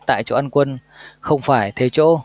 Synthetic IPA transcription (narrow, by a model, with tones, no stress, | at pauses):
t̪a̰ː˧˨jt͡ɕo̰˧˩ʔa˧nkwə˧n | xə˧wŋ͡mfaː˧˩jt̪ʰe˨˦t͡ɕo̰˧˥